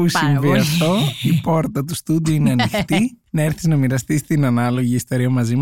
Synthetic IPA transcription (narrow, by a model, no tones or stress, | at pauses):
pusiɱviɐft̪o̞ipo̞ɾt̪ɐt̪ust̪ud̪iuineɐnixt̪inɐeɾθiznɐmiɾɐst̪ist̪inɐnɐlo̞ʝiest̪eɾiɐmɐzim